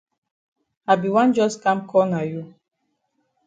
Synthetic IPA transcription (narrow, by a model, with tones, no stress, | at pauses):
a˨bi˨wã˦nd͡ʒɔ˦skã˦mkʰɔ˦na˨ju˦